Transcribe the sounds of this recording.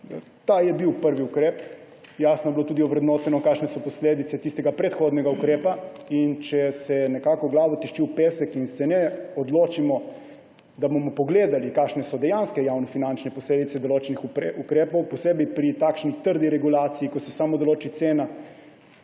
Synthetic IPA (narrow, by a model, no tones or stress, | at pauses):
t̪ajɛbiwpəɾʋiukɾeːp | jaːsnɔjblot̪uːd̪iɔʋɾɛd̪noːt̪ɛnɔkaːkʃnɛsɔpɔsleːd̪it̪sɛt̪ist̪ɛɡapɾɛt̪xoːd̪nɛɡaukɾeːpaint͡ʃɛsɛnɛkaːkɔɡlaːʋɔt̪ɛʃt͡ʃiwpeːsɛkinsɛnɛɔd̪loːt͡ʃimɔ | d̪abomɔpɔɡleːd̪alikaʃnɛsɔd̪ɛjanskɛjawnɔfinant͡ʃnɛpɔsleːd̪it̪sɛd̪oloːt͡ʃɛnixukɾeːpɔwpɔseːbipɾit̪aːkʃnit̪əɾd̪iɾɛɡulaːt̪sijːikosɛsaːmɔd̪ɔloːt͡ʃit̪sena